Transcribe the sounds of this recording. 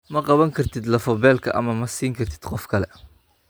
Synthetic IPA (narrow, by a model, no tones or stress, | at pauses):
mɐqɑβɐŋkʰɐrt̪ʰɪd̪lɐfɐβɛːlkʰɐʔɐ̰mɐmɐsiːŋkʰɐrt̪ʰɪ̥d̪̥qɔfkʰɐlɛ